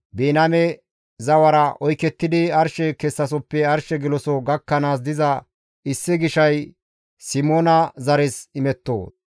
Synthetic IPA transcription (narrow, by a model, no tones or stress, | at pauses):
beːnɐmɛ | zɐwɐɾɐʔɔjkɛt̪ːɪd̪ɪɐɾʃɛkɛsːɐs̬ɔpːɛɐɾʃɛɡɪlɔsɔɡɐkːɐnaːs̬d̪ɪzɐ | ɪsːɪɡɪʃɐj | sɪmoːnɐzɐɾɛsɪmɛt̪ːo̰ː